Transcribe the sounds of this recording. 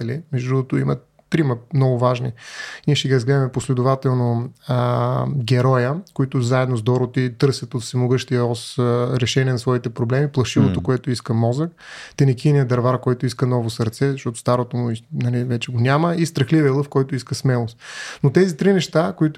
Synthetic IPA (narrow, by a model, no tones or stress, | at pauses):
ɛlimɛʒd̪ut̪ʊḭmət̪ːɾiməmnɔɡʊvaʒniniɛʃt̪ɛɡʲiɾəzɡlɛd̪əmɛposlɛd̪ʊvat̪ɛlˠnoəɡʲɛɾɔjəkoit̪ʊzaɛd̪nozd̪ɔɾʊt̪it̪ɤɾsʲjɐt̪ot̪fsɛmoɡɤʃt̪ijəɔsɾɛʃɛniɛnɐsvɔit̪ɛpɾoblɛmiplˠɐʃivot̪okoɛt̪ʊiskəmɔzəkt̪ɛnɛkʲinijəd̪ɐɾvaɾkɔjt̪ʊiskənɔvosəɾt̪sɛzɐʃt̪ɔt̪o̥st̪aɾot̪omʊinɐlivɛt͡ʃɛɡonʲaməist̪ɾɐxlivəlˠɤfkɔjt̪ʊiskəsmɛlˠost̪not̪ɛzit̪ɾinɛʃt̪akoit̪